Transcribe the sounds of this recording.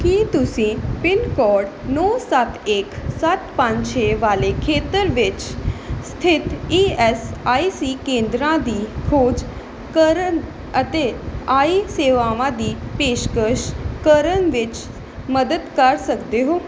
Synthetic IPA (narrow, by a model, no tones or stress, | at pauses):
kit̪ʊsĩːpɪnkɔːɾɖnɔːsət̪eːksɐt̪pə̃ɲt͡ʃʰeːʋaːlekʰeːt̪əɾʋɪt͡ʃst̪ʰɪt̪iːɛsaːisiːkẽːnd̪ɾãd̪iːkʰoːd͡ʒ | kəɾən | ət̪eaːiseːʋaːʋãd̪iːpeːʃkəʃkəɾənʋɪt͡ʃ | məd̪əd̪kəɾsəkd̪eɦoː